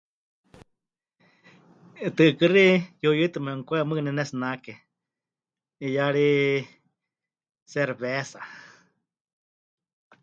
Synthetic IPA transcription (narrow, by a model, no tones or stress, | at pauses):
t̪ɨʔkɨrijojɨt̪ɨmɛŋkʷɛmɨnɛnɛsnake | ijaɺi | seɾβesa